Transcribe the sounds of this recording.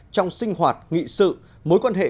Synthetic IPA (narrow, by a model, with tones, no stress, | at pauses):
t͡ɕɔ˧wŋ͡msï˧ŋ̟hwaː˨˩t̚ŋḭ˧˨sɨ̰˧˨ | mo˨˦jkwaː˧nɦḛ˧˨